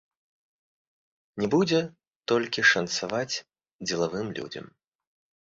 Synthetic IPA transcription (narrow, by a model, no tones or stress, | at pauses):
nʲɛbud͡zʲɛ | t̪ɔlʲkʲiʂɐnt̪savat͡sʲ | d͡zʲɛlˠavɨmlʲṵd͡zʲɐ̰m